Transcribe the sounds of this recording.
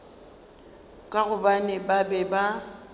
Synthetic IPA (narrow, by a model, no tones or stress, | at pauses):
kʼaɣʊbanɛbabɛba